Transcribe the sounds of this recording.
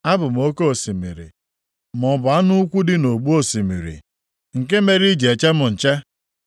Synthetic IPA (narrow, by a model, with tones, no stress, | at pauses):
a˦bʊ˨m˨o˦ke˦o˨si˨mḭ˨ɾḭ˨ | mɔ˨bʊ˨a˦nu˦kʷu˦dɪ˦no˨ɡ͡bu˦o˦si˨mḭ˨ɾḭ˨ | ŋ̩˨ke˦me˦ɾi˦d͡ʒe˨t͡ʃe˦mʊ˨n̩˨t͡ʃe˦